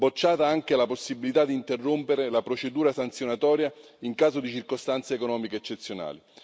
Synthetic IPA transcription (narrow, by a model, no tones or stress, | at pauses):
bot͡ʃːaːt̪aaŋk̟ealaposːibilit̪ad̪iːnt̪erːompeɾelapɾot͡ʃed̪uːɾasant̪sjonat̪ɔːɾja | iŋkaːzod̪it͡ʃirkost̪ant̪sekonɔːmikeːt͡ʃːet̪sːjona̰ːli